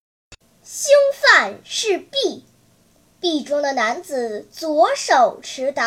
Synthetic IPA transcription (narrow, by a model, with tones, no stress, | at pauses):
ɕi˥ŋfa˥˧nʂɻ̩˥˧pi˥˩ | pi˥˩ʈ͡ʂʊ˥ŋd̪ə˨na˧˥nt͡sɹ̩˨˩˦t͡swɔ˧˥ʂo˨˩ʊʈ͡ʂʰɻ̩˧˥t̪ɑ˧˥